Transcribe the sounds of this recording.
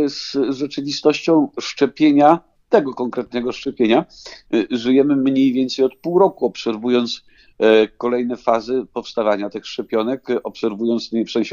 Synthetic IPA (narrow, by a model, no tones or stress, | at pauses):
sʐɛt͡ʂɘvʲist̪ɔɕt͡ɕɔ̃w̃ʂt͡ʂɛpʲjeɲa | t̪ɛɡɔkɔŋkɾɛt̪̚nɛɡɔʂt͡ʂɛpʲjeɲa | ʐujɛmɘmɲejvʲjɛnt̪sɛjɔt̪̚puwɾɔkuɔpsɛɾvujɔnt̪s | kɔlɛjnɛfazɘpɔfst̪avaɲat̪ɘxʂt͡ʂɛpʲjɔnɛkɔpsɛɾvujɔnt̪sfsɛw̃ɕɛ